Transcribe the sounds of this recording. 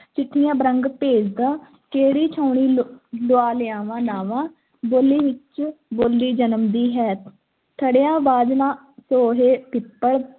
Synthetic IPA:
t͡ʃɪʈʰːɪjãːbəɾəŋɡpeːd͡ʒd̪ãː | keːɾiːt͡ʃʰaːʊɳiːloaːlɪãːʋãːnaːʋãː | boːliːʋɪt͡ʃboːlːiːd͡ʒənəmd̪iːɦɛːt̪ʰ | t̪ʰəɽjãːbaːd͡ʒ̪nãː | soːɦeːpɪpːəɽ

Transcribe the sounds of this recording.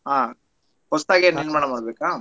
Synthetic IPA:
ɦaː | hɔst̪aːɡenɐnmaːɳɐmaːɽbeːkaː

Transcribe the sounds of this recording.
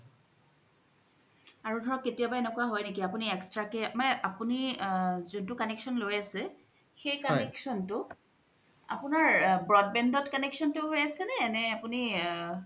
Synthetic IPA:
aɹudʱɔɹɔkːetijabaɛnɛkuaɦɔjnekiapuniɛkstɹakɛmanɛʔapunizuntʊkanɛksɔnlojasɛ | xejkanɛksɔntʊ | a̰pʊnaɹbɹɔd̚bɛndɔtkɔneksɔntʊɦojasɛnɛːnɛapuni

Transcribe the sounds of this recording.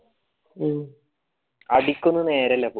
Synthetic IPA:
ɐɽikʲːunːune̞ːɾɐlːep

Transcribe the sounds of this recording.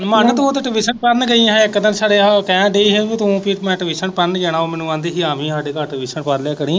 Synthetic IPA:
mənt̪oːt̪eʈəbiːsənpəɾnɡəĩɪkːd̪ənsaːɖeːkɛ̃ːɖeiːɦeːʋiːt̪ũpʰiɾmɛ̃ːʈəʋiːʃənpəɾnɡɛːnaːoːmɛːnũːãːnd̪eːɦiːaːmĩːsaːɖeːkaːʈəbiːʃənpəɾlaːkəɽĩː

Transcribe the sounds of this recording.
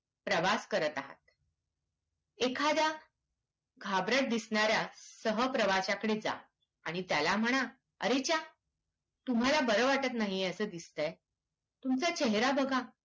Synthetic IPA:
pɾəʋaskəɾət̪aɦa̰t̪̚ | ekʰad̪ja | ɡʱabɾəʈ̚d̪isɳaɾjasəɦəpɾəʋat͡ɕakəɽed͡za̰ | aɽ̃it̪jalam̤əɽ̃a | ə̰ɾet͡ɕa | t̪um̤alabəɾəʋaʈət̪naɦiəsəd̪ist̪əj | t̪umt͡sat͡ɕeɦɾabəɡʱa

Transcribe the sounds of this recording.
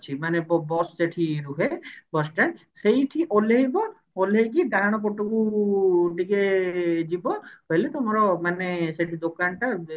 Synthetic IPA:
t͡ʃʰimanebɔbɔsseʈʰiɾuɦebɔsʈan | sejʈʰiʔoleɦibɔ | oleɦek̬iɖaɽ̃ɔp̬ɔʈoku | ʈiked͡ʒibɔɦojlet̪omɔɾɔmaneseʈʰid̪okanʈa

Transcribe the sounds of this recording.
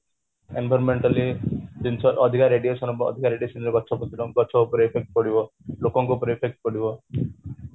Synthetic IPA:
enbʱɔɾɔnmeɳʈalid̪int͡ʃʰɔʔɔd̪ʱikaɾeɖijosɔnɔbɔɔ̰d̪ʱikaɾeɖiosɔnɾeɡɔt͡ʃʰɔpɔt̪iɾɔŋɡɔt͡ʃʰɔupɔɾepʰek̚ʈ̚kɔɽibɔ | lokɔŋkupɔɾepʰek̚ʈ̚kɔɽibɔ

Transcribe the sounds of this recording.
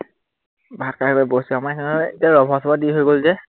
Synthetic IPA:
bʱat̚kaɹkɔbosuamakʰɛnetiaɹɔbʱɔsʰɔbadiɦojɡolzɛ

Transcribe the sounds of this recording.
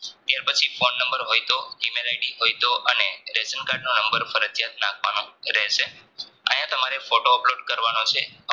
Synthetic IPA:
t̪jaɾpət͡ʃʰifonːə̃mbəɾɦojt̪oimelajɖiɦojt̪oʔəneɾesənkaɾɖnonəmbəɾfəɾəd͡ʒjat̪̚nãkʰʋa̰nõɾɛɦʃeã̰jãt̪əmaɾefoʈoəploɖkəɾʋanot͡ʃʰe

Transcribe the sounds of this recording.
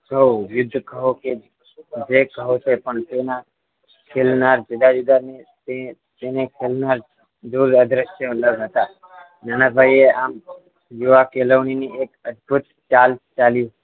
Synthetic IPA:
kəɦõjʊd̪ʱːkəɦũke | d͡ʒekəɦut͡ʃʰepəɳt̪ena | kʰelnaɾd͡ʒʊd̪ad͡ʒud̪anet̪et̪enekʰelnaɾ | d̪uɾəd̪ɾəʃjələɡɦət̪a | nanabʱaieam | juʋakeləʋɳiniekəd̪̚bʱut̪ | t͡ʃalt͡ʃaljũ

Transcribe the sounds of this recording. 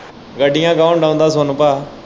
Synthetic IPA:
ɡəɖɪjãːɡaːʊnɖãːʊ̃nd̪aːsoːnəpaː

